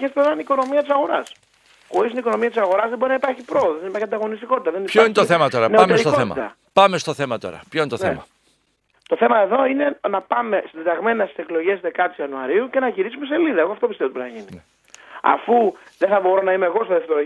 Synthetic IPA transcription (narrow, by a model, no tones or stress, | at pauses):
est̪oɾɐiniko̞no̞miɐt̪isɐɣo̞ɾɐs | xoɾisiniko̞no̞miɐt̪isɐɣo̞ɾɐzðebo̞ɾinɐipɐɾçipɾo̞oðoðnipɐɾçɐnd̪ɐɣo̞nist̪iko̞t̪it̪ɐðenioinet̪oθemɐt̪oɾɐnepɐmesɾit̪ooθemɐ̰t̪ɐ̰ | pɐme̞st̪oθe̞mɐt̪o̞̰ɾɐ̰pçoinet̪oemɐ | t̪o̞θemɐeðo̞ine̞nɐpɐme̞sid̪et̪ɐɣme̞nɐst̪i̥se̞klo̞ʝe̞sðe̞kɐt̪isiɐnuɐɾiuce̞nɐʝiɾisumese̞liðɐeɣoɐft̪op̬ist̪et̪bɾinɐʝini | ɐ̰fu | ðe̞θɐbo̞ɾo̞nɐimeɣo̞st̪ɐðeft̪eɾo